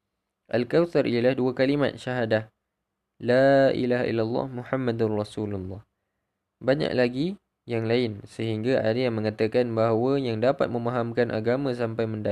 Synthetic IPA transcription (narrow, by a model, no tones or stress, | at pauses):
ʔalkawt̪arʔijalahduakalima̰t̪̚ʃaɦadah | laḭlaɦa̰ʔḭlːalːɑ̰hmuħamːad̪anrɑsululːɑh | baɲa̰ʔlaɡi | jaŋlaɪnsəɦiŋɡaʔa̰dajaŋmə̃ŋat̪akanbaɦwajaŋdapa̰t̪̚mə̃maɦamkanʔa̰ɡamãs̬ampajmə̃nda